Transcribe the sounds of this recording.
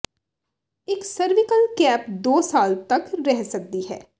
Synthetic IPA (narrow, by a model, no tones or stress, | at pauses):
ɪksəɾʋɪkəlkɛːpd̪oːsaːlt̪ɐkɾɛɦsək̚d̪iɦɛ̰ː